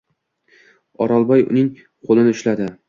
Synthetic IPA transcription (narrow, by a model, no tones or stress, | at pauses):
ɒ̰ɾɒlˠbɒjʊ̰nɪŋ | qʰolˠɪnɪʊʃlad̪ɪ